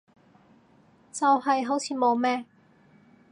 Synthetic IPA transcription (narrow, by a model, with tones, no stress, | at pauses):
t͡sɐ˨whɐ˨jɦo˨˥wt͡sʰiː˨mo˨˧wmɛː˥